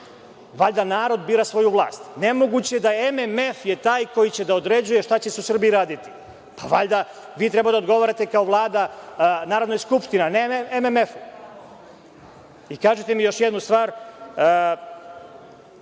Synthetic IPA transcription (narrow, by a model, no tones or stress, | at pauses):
ʋaʎd̪anaːɾo̞d̪biːɾasʋo̞juʋlˠa̰ːst̪nemo̞ɡut͡ɕe̞d̪aeememe̞fje̞t̪aːjko̞jit͡ɕe̞d̪ao̞d̪ɾe̞d͡ʑuje̞ʃt̪at͡ɕeseusr̩biɾaːd̪it̪i̥ | paʋa̰ʎd̪a | ʋiːt̪ɾebad̪aod̪ɡo̞ʋoɾat̪e̞kaoʋlˠaːd̪anaːɾod̪najskupʃt̪ineneememefu | ikaːʒet̪e̞mijo̞ʃjed̪nust̪ʋaːɾ